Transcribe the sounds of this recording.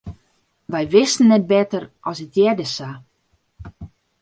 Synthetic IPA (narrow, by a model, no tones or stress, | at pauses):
ʋɛjʋɪstən̩ːɛt̚bɛtərʔɔsətʰjɛrdəsa